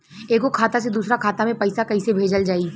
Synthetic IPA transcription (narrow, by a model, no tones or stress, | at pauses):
eːkokʰaːt̪ased̪uːsɾakʰaːt̪amẽpɐɪsakɐɪsebʱeːd͡ʒəld͡ʒaːi